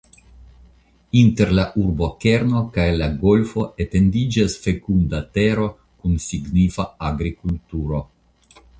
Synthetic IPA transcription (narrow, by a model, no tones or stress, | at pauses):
inte̞ɾlaʔuɾbo̞ke̞ɾno̞kajlaɡo̞lfo̞ʔete̞ndid͡ʒasfe̞kundate̞ɾo̞ | kunsiɡnifaaɡɾikultuɾo̞